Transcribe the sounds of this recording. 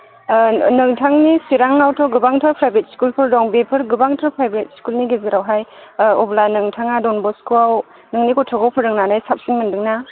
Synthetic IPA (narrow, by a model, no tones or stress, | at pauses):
nɯŋtʰaŋnisiɾaŋːawtʰɔɡɯbaŋtʰɯpʰɾajbet̚skulpʰɯɾdɔŋbepʰɯɾɡɯbaŋtʰɔpʰɾajbɾet̚skulniɡeziɾawɦajɔblanɯŋtʰaŋadɔnbɔskuaw | nɯŋnikɔtʰɔɡɔwpʰɯɾɯŋnanajsap̚sinmɐndɯŋna